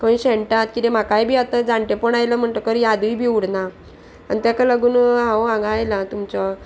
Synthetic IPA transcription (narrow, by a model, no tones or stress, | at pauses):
kəĩɕɛɳʈat̪kit̪em̤akajbʱiːat̪ãd͡zaɳʈ̪epəɳajləm̤əɳt̪əkəɾjad̪uibʱiːuɽna | a̰nit̪akaləɡuːnɦãwãɡʱaːjlat̪umt͡ɕɔ